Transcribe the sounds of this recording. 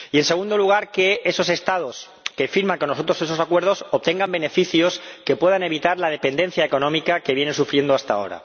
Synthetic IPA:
ie̞nse̞ɣ̞und̪o̞luɣ̞aɾke̞eso̞se̞st̪að̞o̞s | kefiɾmãŋko̞noso̞t̪ɾose̞s̬o̞sakwe̞ɾð̞o̞sop̚t̪e̞ŋɡambe̞ne̞fiθjo̞ske̞pwe̞ðane̞βit̪aɾlað̞e̞pe̞nd̪e̞n̟θjaeko̞nõmikake̞βje̞nensufɾje̞nd̪oast̪a̰o̞̰ɾa̰

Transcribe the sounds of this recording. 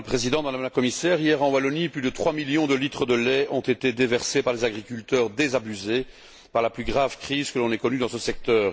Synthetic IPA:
əpχezid̪ɑ̃d̪aamlakɔmisɛʁijɛʁɑ̃walɔniplyd̪ət̪χwamiljɔ̃d̪əlit̪χəd̪əlɛɔ̃t̪et̪ed̪evɛʁsepaʁlezaɡʁikʲylt̪œːʁd̪ezabyze | paʁlaplyɡʁavkχiːzkəlɔ̃nɛkɔnyd̪ɑ̃səsɛk̚t̪œːʁ

